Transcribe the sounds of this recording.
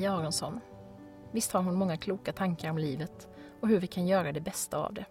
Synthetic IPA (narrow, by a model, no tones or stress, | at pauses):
ɑːɾɔnsɔnː | vɪst̪haɾhʊnmɔŋːakʰluːkat̪ʰaŋkaɾɔmliːvət̪ | ɔɦɵɾvɪkʰanjœːɾad̪ɛbɛst̪aa̰vd̪ɛ